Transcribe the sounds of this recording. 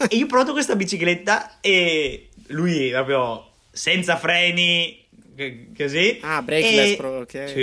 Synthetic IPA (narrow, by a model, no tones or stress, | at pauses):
eiːop̬ɾɔvat̪okwest̪abit͡ʃiklet̪ːae | lujpɾɔːpɾjo | sɛnt̪safɾɛːni | koziabɾɛɛksi